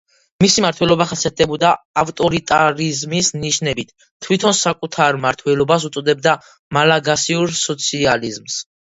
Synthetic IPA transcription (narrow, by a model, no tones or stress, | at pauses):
misimaɾt̪ʰwɛlɔbaχasiɛt̪ʰʼɛbɔd̪aːft̪ʼɔɾit̪ʼaɾizmisniʃnɛbit̪ʰ | t̪ʰːwit̪ʰɔnsakʼut̪ʰaɾmaɾt̪ʰwɛlɔbas̬ut̪sʼɔd̪ɛb̚d̪a | malaɡasiuɾsɔt̪sʰializms